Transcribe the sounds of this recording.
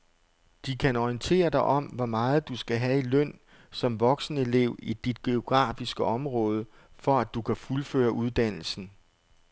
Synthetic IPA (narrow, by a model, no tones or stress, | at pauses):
d̥ikʰænɒiənt͡sʰe̝̰ːɐd̥ɑ̈ɪʔɒ̽m̰ʋɒmɑ̈ːð̞̩ˠd̥usɡ̥æɦæilœn̰ | sɒ̽mʋɒ̽ɡ̥snəe̝le̝ʊ̰id̥id̥̚ɡ̥e̝o̝ɡ̥ʁɑ̰̈ːfisɡ̥əɒ̽mʁɔ̽ːð̞ˠə | fɒ̽æd̥ukʰæfulfø̰ːɐʔuð̞ˠd̥æn̰l̩sn̩